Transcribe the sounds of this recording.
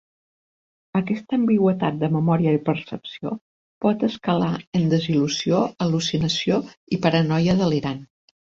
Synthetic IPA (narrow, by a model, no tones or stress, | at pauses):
əkɛst̪əːmbiɣwət̪at̪̚d̪əməmɔɾiəipəɾsəpsio | pɔt̪əskəlaənd̪əzilusioəlusinəsioipəɾənɔjəðəliɾan